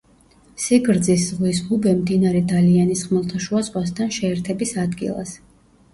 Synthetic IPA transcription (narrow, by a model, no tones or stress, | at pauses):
siɡɾd̪ziszʁwishubɛmd̪inaɾɛd̪alianisχmɛlˠt̪ʰaʃuasʼwʼast̪ʰanʃɛːɾt̪ʰɛbisad̪ɡḭlˠa̰s